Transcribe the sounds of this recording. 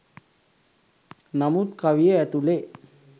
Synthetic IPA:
namut̪kaʋijəæt̪ule

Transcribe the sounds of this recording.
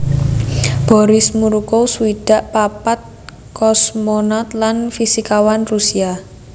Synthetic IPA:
b̥ɔ̤ɾɪsmuɾukosuwiɖ̥a̤ʔpapat̪̚ | kɔsmonat̪lanfisikawanrusia

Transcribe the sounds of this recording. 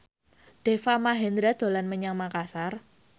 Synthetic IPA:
ɖ̥efamaɦɛnd̪ɾad̪̥o̤lanməɲaŋmakasar

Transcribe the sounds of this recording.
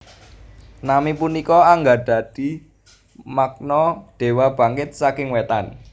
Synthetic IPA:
namipunikɔaŋɡaɖ̪̥ä̤d̪̥i̤ | mak̚nɔɖ̪̥e̤wab̥ä̤ŋkɪt̪̚sakɪŋwet̪an

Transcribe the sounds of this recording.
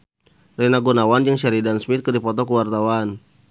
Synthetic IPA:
rɛnaɡunawand͡ʒəŋʃaɾidansmɪt̪̚kərdipɔt̪ɔkuwart̪awan

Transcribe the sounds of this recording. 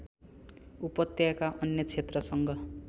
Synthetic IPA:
upʌt̪jakaʔʌnjʌt͡sʰet̪rʌsʌŋɡʌ

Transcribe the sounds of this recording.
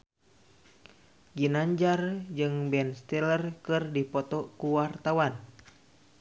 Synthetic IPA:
ɡinaɲd͡ʒard͡ʒɨŋbɛnst̪ɛlərkɨrdipɔt̪ɔkuwart̪awan

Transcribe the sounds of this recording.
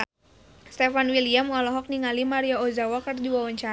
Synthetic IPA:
st̪ɛfanwiliamwalɔɦɔk̚niŋalimaɾiaozawakərdiwawaɲt͡ʃa

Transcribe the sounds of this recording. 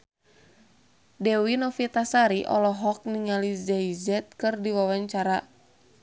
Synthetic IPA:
dɛwinɔfit̪asaɾiʔɔ̰lɔɦɔk̚niŋalizɛizɛt̪̚kɨrdiwawaɲt͡ʃaɾa

